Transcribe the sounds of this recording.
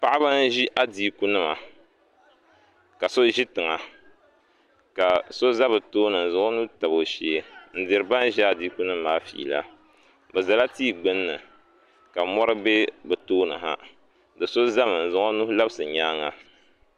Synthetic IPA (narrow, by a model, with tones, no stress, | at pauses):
pa˦ʔa˦ba˦n˦ʒi˦ʔa˦diː˦ku˦nɨ˦ma̰˨ | ka˨so˦ʒi˦tɨ˨ŋa˨ | ka˨so˦za˦bɨ˨toː˦nɨ˨n̩˨zʊ˨ŋo˦nu˦ta˨bo˨ʃe˦n̩˦dɪ˨ɾɨ˨ba˦n˦ʒi˦a˨diː˦ku˦nɨ˦mː˦aː˨˦fḭ˨la̰˦ | bɨ˨za˨la˦tiː˦˨ɡ͡bɨ˦nːɨ˨ | ka˨mɔ˦ɾɨ˦be˦bɨ˨toː˦nɨ̰˨ɦa̰˨ | dɨ˨so˦za˦mɨ˨n̩˨zʊ˨ŋo˦nu˦hla˦bɨ˦sɨ˨ɲaː˦ŋa˨